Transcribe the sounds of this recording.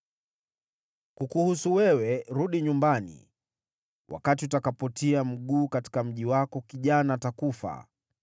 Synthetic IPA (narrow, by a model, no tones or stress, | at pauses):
kukuhusuwɛwɛɾuɗiɲumbanḭ | wʔa̰kat̬iutakapɔtiam̩ɠuːkati̥kam̩ʄiwakɔkiʄanaːtakufa̰